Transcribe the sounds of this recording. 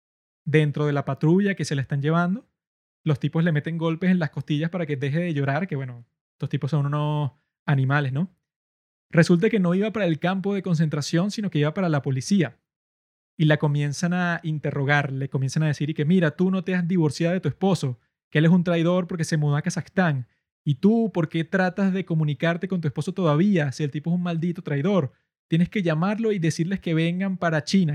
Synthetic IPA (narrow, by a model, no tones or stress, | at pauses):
d̪e̞nt̪ɾo̞ð̞e̞lapat̪ɾuʝake̞se̞laest̪aɲd͡ʒe̞βand̪o̞ | lo̞st̪ipo̞sle̞me̞t̪e̞ŋɡo̞lpe̞se̞nlasko̞st̪iʝaspaɾake̞d̪e̞ɦe̞ðe̞ʝo̞ɾaɾkeβwe̞no̞ | est̪o̞st̪iposo̞nuno̞s | anĩmale̞sno̞ | re̞sult̪̬ake̞no̞iβapaɾae̞lkampo̞ð̞e̞ko̞ns̬e̞nt̪ɾasjo̞nsino̞ke̞iβapaɾalapo̞lisia | ilako̞mje̞nsanaint̪e̞ro̞ɣaɾle̞komje̞nsanaðesiɾike̞miɾat̪uno̞t̪eazðiβ̞o̞ɾsjaðoet̪ue̞spo̞so̞ | keele̞s̬unt̪ɾajð̞o̞ɾpo̞ɾke̞se̞muðoakasaxt̪aŋ | it̪upo̞ɾke̞t̪ɾat̪azðe̞ko̞mũnikaɾt̪e̞ko̞nt̪uespo̞so̞t̪o̞ðaβiasie̞lt̪ipoesuŋmald̪it̪o̞t̪ɾajðo̞ɾ | t̪jene̞ske̞ʝamaɾlo̞iðe̞siɾle̞ske̞βe̞ŋɡampaɾat͡ʃina